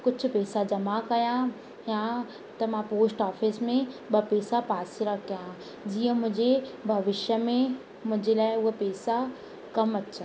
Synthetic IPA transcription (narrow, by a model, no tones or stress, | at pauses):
kʊd͡ʑʱʊ̆pɛːsad͡ʑɐmakɐjã | ja | t̪ɐmãpoːsʈɔːfɪsmẽɓɐpɛːsapaːsiɾɐkʰijã | d͡ʑiːə̃mʊ̃ɦɪ̃ɲd͡ʑebʱɐʋɪʃjəmẽ | mʊ̃ɦɪ̃ɲd͡ʑelaːɪʊɦpɛːsa | kɐmɐt͡ɕʰə